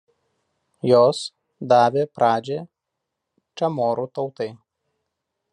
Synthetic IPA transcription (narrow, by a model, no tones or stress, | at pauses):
joːs | d̪ɑːʋʲeːpɾʔɑːd͡ʒʲeː | t͡ʃʲɐmoːɾuːt̪ɒʊt̪ɐɪ